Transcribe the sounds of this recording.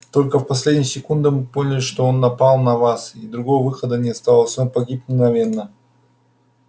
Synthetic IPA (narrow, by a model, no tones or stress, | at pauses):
t̪o̞lʲkəfpɐsʲlʲedʲnʲɪjəsʲɪkund̪ɨmɨpo̞nʲɪlʲɪʂt̪o̞onːɐpalˠnɐvasid̪ɾʊɡo̞vəvɨxəd̪ənʲɪɐst̪alˠəsʲnopɐɡʲipnʲɪɡnɐvʲe̞nːə